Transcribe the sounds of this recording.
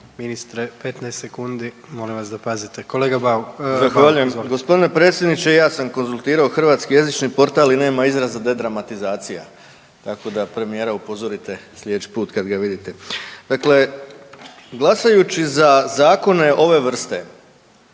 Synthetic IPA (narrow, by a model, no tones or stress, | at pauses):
minist̪ɾepet̪nɛjst̪sekund̪i | mo̞limʋasd̪apazit̪ekoleɡabazaxʋaʎuje̞mɡo̞spo̞d̪ine̞pɾe̞ːt̪sjed̪nit͡ɕeijaːsamko̞nzulˠt̪iːɾaoxr̩ʋaːt̪skije̞zit͡ʃnipo̞ɾt̪aːline̞ːmaizɾazad̪e̞d̪ɾamat̪izaːt̪sija̰ | t̪ako̞d̪apɾe̞mije̞ːɾaupo̞zo̞ɾit̪e̞slʲjet͡ʃi̥puːt̪kad̪ɡaʋid̪it̪e̞d̪akle̞ | ɡlˠasajut͡ʃizazaːko̞ne̞ʔo̞ʋe̞ʋr̩st̪e̞